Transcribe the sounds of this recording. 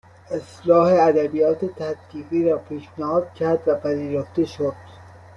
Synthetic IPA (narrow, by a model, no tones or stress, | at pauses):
eslɒːheæd̪æbijɒːt̪et̪ʰæt̪ːiːɣiːɾɒːpʰiːʃnæhɒːd̪̚cʲʰæɾd̪væpʰæziːɾoft̪eʃod̪̥